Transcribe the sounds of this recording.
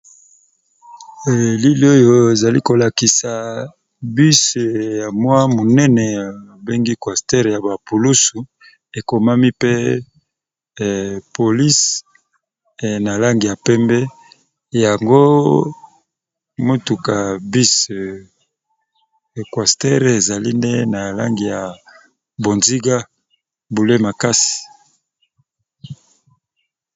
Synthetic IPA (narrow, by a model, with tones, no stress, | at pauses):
li˦li˨˦o˦jo˦˨e˨za˨li˦ko˨la˨ki˨sa˨ | bi˦sja˨mwa˦mo˨nɛ˦nɛ˨a˨be˦ŋɡi˦kwa˨stɛ˦ʁja˨ba˨pu˨lu˦su˨ | e˨ko˨ma˦mi˦pe˦ | po˨li˦s | na˨la˦ŋɡi˨ja˨pɛ˦mbɛ˦ | ja˨ŋɡo˦ | mo˦tu˨ka˨bi˦s | kwa˨stɛ˦ʁe˨za˨li˦ndḛ˦na˨la̰˦ŋɡi˨ja˨ | bo˨nzi˦ɡa˦ | bu˨le˦ma˨ka˦si̥˨